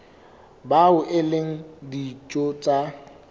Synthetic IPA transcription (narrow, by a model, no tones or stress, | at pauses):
baʊʔɪleŋ̩dit͡ʃʼot͡sʼa